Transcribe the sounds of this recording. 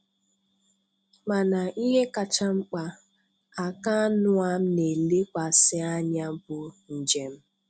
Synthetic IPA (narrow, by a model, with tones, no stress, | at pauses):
ma˨na˨ʔi˦ɦe˦ka˨t͡ʃa˦ŋ͡m̩˦k͡pa˨ | a˨ka˦nʊ˦a˦m̩˦ne˨le˦kʷa˨sɪ˦a˦ɲa˦bʊ˨n̩˨d͡ʒe˨m̩˦